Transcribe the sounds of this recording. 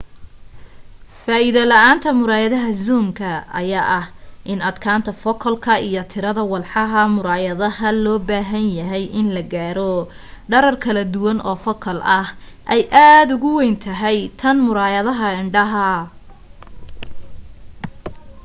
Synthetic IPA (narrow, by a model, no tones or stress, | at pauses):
faːɪðɐlɐaːnt̪ʰɐmʊɾaːjɐðɐɦɐzuːmkʰɐɐ̰jaːʔɐhʔɪnɐd̪kʰaːnt̪ʰɐfɔkʰɔlkʰɐijɔt̪ʰɪɾɐðɐwɑlħɑɦɐmʊɾaːjɐðɐhɐlɔːbaːɦɐnjɐɦɛjʔɪnlɐɡaːɾɔ | ɖɐɾɐrkʰɐlɐd̪ʊwɐnɔːfɔkʰɔlʔɐh | ʔɛjʔaːd̪ʊɣʊwɛjnt̪ʰɐɦɛjt̪ʰɐnmʊɾaːjɐðɐɦɐɪɳɖɐɦɐ